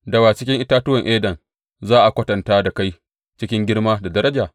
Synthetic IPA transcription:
dɐ˨waː˨t͡ʃɪ˦kʲɪ˦ŋʔɪ˦taː˦tʊ˦wɐ˨ŋʔeː˦dɐ˨n | zaː˦ʔa˨kʷɐ˦tɐ˨ntaː˦da˨ka˦j | t͡ʃɪ˦kʲɪ˦ŋɡʲɪ˦ɽmaː˦da˨dɐ˦ɾɐ˦d͡ʒaː˨

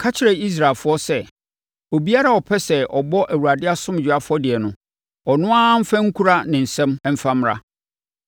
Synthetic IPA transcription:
kʰa˦t͡ɕʰɪ˦ɾɛ˨i˦s̬ɾa˨lfʊ˦ɔ˦sɛ˦ | o˨bi˦a˦ɾa˦ɔ˨pʰɛ˦sɛ˨ʔɔ˨bɔ˦ʔæ˨wu˨a˨dɪ˦a˦sʊ̃˦m˨d͡ʑᶣʊ˨a˦fʊ˦ɔ˦dɪ˨ɛ˨nʊ̃˨ | ɔ˨nʊ̃˦ã˦m̩˦fæ̃˦ŋ̩˦kʰu˦ɾa˦nɪ̃˨n̩˨sɛ̃˦m˦m̩˦fã˦m˦ɾa̰˦

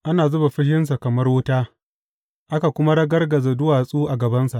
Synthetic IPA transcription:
ʔa˦naː˨zʊ˦ba˨ɸɪ˦hɪ˦ns̬a˨kɐ˨mɐ˦rwʊ˦taː˦ | ʔa˦ka˨kʷʊ˦ma˦ɽɐ˦ɡɐ˦rɡɐ˨za˨dʊ˦waː˨sʼuː˦ʔa˨ɡɐ˨bɐ˦nsa˨ʔ

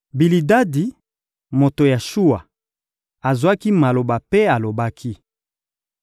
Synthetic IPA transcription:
bi˨li˨da˦di˨ | mo˨to˨ja˨ʃu˦wa˨ | a˨zwa˦ki˦ma˨lo˨ba˨pe˦a˨lo˨ba˦kʰi˦

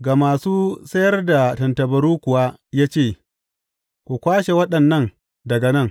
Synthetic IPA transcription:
ɡaː˨maː˨suː˦sɐ˦jɐ˦rda˨tɐ˨ntɐ˨bɐ˨ɾuː˦kʷʊ˨waː˦jaː˦t͡ʃeː˦˨ | kʷu˨kʷaː˦ʃe˨wɐ˦ɗɐ˨nːɐ˦ŋ | dɐ˨ɡɐ˨nɐ˦˨ŋ

